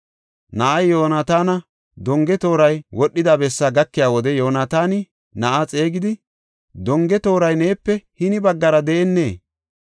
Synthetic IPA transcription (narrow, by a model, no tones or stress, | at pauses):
nɐʔɐjjo̞ːnat̪aːnɐ | d̪ɔŋɡɛt̪o̞ːɾɐjwɔɗːɪd̪aːbɛsːaɡɐkːɪjaːwɔd̪ɛjo̞ːnaːt̪aːnɪ | nɐʔat͡sʼe̞ːɡɪd̪ɪ | d̪ɔŋɡɛt̪o̞ːɾɐjne̞ːpːɛhɪnɪbɐɡːɐɾɐd̪ɛʔɛnːe̞̰ː